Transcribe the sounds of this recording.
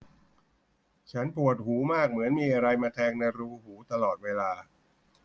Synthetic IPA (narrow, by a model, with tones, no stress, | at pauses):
t͡ɕʰa˦˥npu˨˩ət̪̚huː˩˦maː˥˩k̚mɯ˩˦ənmiː˧ʔa˧ɾa˧jmaː˧t̪ʰɛː˧ŋna˧jɾuː˧huː˩˦t̪a˧lɔː˨˩t̪̚weː˧laː˧